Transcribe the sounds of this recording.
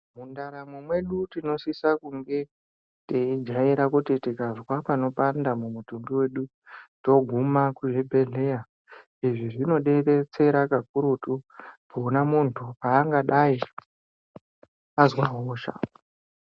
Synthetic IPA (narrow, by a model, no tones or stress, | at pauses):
mundaɾamwemwe̞ɗutino̞sisakuŋɡe̞ | teid͡ʒaiɾakutitikazwapano̞pandamumutumbiwe̞ɗu | to̞ɡʱumakuʐebʱe̞ɮea | iʐiʐino̞ɗe̞ret͡se̞ɾakak̚uɾutubonamuntʰupaːŋɡaɗai | azwaɦoːʃa̰